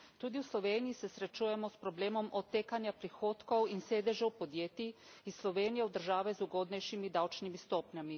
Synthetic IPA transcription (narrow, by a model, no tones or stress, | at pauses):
t̪uːd̪iusloʋeːnijisesɾet͡ʃujɛmospɾobleːmomʔot̪ːekanjapɾixoːt̪kowinseːd̪eʒɛupod̪jeːt̪iisloʋeːnijeud̪əɾ̩ʒaːʋɛzuɡod̪nɛjʃimid̪awt͡ʃnimist̪oːpɲami